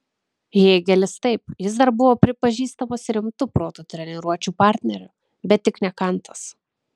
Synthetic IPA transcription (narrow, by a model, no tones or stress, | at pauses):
jeːɡʲɛlʲɪst̪ɐɪpjɪs̬d̪ɐɾbʊʋoːpʲɾʲɪpɐʒʲiːst̪ɐmosɪɾʲɪmt̪ʊpɾoːt̪oːt̪ʲɾʲɛnʲɛɾuɔt͡ʃʲuːpɑˑɾʲt̪ʲnʲɛɾʲʊ | bʲɛt̪ʲːɪknʲɛkɐnt̪ɐs